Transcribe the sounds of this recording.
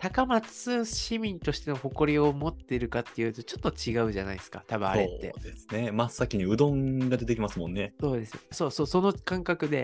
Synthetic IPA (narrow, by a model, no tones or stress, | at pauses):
t̪akamat͡sɨ̥ɨɕimʲĩnt̪o̞ɕi̥t̪e̞no̞ho̞ko̞ɾʲio̞mo̞t̪ːe̞ɾɯ̟kat̪ːe̞jɯ̟t̪o̞t͡ɕo̞t̪ːo̞t͡ɕiɡaɯ̟ʑana̰isɨ̥ka̰t̪abɯ̟̃a̰ɾe̞t̪ːe̞̰d̪e̞sɨ̥ne̞masːakʲiɲ̟iɯ̟d̪õ̞ŋɡad̪e̞t̪e̞kʲimasɨmõ̞nːe̞so̞ːd̪e̞sɨjoso̞ːsoːso̞no̞kãŋkakɯ̟d̪e̞